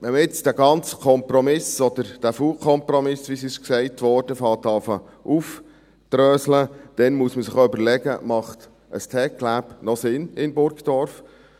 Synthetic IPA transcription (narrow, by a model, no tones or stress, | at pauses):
ʋɛnməɪt͡sd̥æɡɑnt͡skʰɔmpɾɔmɪsɔd̪əɾd̥æfuːkʰɔmpɾɔmɪsʋisɪʃksɛɪtʋɔːɾd̥əfɑːtɑfə | ʔuf | t̪ɾœːsləd̥ɛnmuəsməsɪχʏbəɾlɛɡə̰mɑχt̪ | əstʰɛklæːpnɔsɪnɪmbʊɾkd̥ɔɾf